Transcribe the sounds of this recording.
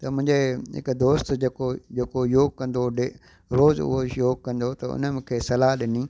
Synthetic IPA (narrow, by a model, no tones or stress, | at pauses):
t̪ɐmʊ̃ɦɪ̃ɲd͡ʑeɦɪ̰kd̪oːst̪d͡ʑeːkod͡ʑeːkojoːɡ̚kɐ̃nd̪oɖe | ɾoːzʊ̰ɦojoːɡkːɐ̃nd̪ot̪ɐʊ̰nəmɪ̃kʰeːsɐlaɦɗɪniː